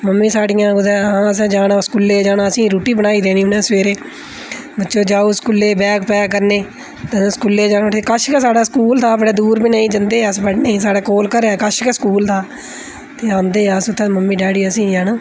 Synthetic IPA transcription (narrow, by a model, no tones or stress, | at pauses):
məmːĩːsaːɽɪjãːɡʊd̪ɛːãːəs̬ãːd͡ʒaːɽãːskulːeːd͡ʒaːnaːəsĩːɾuːʈiːbəɽaːiːd̪eːniːʊnẽːsʋeːɾeː | bətːʃoːd͡ʒaːoːskʊlːeːbɛːkpɛːk̬əɾneː | t̪ãskulːeːd͡ʒaːnãːt̪ʰeːkəʃkɛːsaːɽaːskuːlt̪ʰaːbəɽaːd̪uːɾbiːnəĩːd͡ʒənd̪eːəsbəɽnẽːsaːɽaːkoːlkəɾɛːkəʃkɛːskuːlt̪ʰaː | t̪eːãːnd̪eːɛəsʊt̪ʰːẽːməmːiːɖaːɽiːəsĩːd͡ʒaːnaː